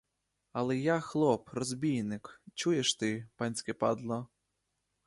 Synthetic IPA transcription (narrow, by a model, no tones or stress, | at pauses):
ɐlˠɛjaxlˠɔprɔzʲbʲijnɪkt͡ʃujeʃt̪ɪpɑnʲsʲkɛpɑd̪lˠɔ